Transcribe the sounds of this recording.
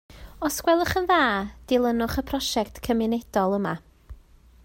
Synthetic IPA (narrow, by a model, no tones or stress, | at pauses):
ɔskwɛlˠəχənðaːd̥ɪlˠənʊχəpʰrɔʃɛktʰkʰəmɪnɛd̥ɔlˠəma